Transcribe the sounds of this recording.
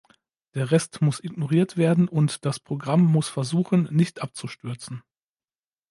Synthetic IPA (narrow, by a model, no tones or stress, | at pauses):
d̥eːɐʁɛstmʊsʔɪɡnoʁiːɐtv̥eːɐdn̩ʔʊntd̥aspʁ̥oɡʁamːʊsfɛɐzuːχən̩ːɪçtʔap̚t͡suʃtʏɐt͡sn̩